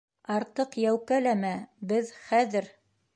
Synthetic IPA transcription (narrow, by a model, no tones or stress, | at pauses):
ɑɾt̪ɤqjæwkælæmæbɘðχæðɘɾ